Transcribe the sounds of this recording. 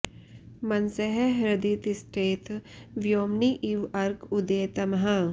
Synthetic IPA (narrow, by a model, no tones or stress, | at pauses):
mɐnsəɦeɦɾɐd̪iːt̪ɪsʈeːt̪ʋjoːmniʔiʋɐɾɡʊd̪eːt̪ɐmɦã